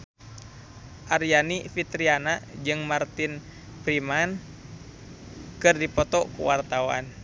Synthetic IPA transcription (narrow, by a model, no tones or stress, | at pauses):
ʔarjanifit̪ɾianad͡ʒɨŋmart̪in | pɾiman | kɨrdipɔt̪ɔkṵwart̪awa̰n